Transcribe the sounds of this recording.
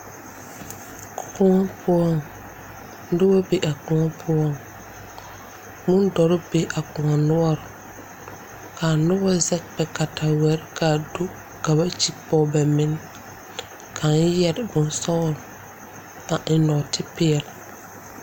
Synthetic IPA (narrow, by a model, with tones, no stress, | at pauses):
kʊ̥˨kʊ˦ŋɔ˦pʰʊ˦ɔ˦˨ŋ˦ | dɪ˦ba˦be˨ʔa˨k͡pʊ˨ŋɔ˦pʰʊ˦ɔ˦ŋ | mʊ̃˦ndɔ˨ɾɪ˦be˨ʔa˨k͡pʊ˨ŋa˨nʊ˦ɔ˦ɾ | kʰa˨nʊ˦bɔ˦zɛ˦k̚k͡pɛ˨ka˨ta˨wɛ˨˦ɾɪ˦kʰa˨do˦ | ka˨ba˦t͡ʃi˦pɔː˨bɛ˨mɪ˦n˦ | kʰa˨n˦jɛ˨ɾɪ˨bʊ˨nsɔ˦ɾʊ˨ | a˨ʔɪ˨nɔ˨tʰɪ˦pɪ˦ɛ˨l